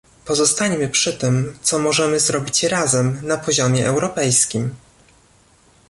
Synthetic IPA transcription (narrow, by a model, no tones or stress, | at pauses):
pɔzɔst̪aɲmɘpʂɘt̪ɘmt̪sɔmɔʐɛmɘzɾɔbʲit͡ɕɾazɛmnapɔʑɔmʲjɛʔɛwɾɔpɛjskʲim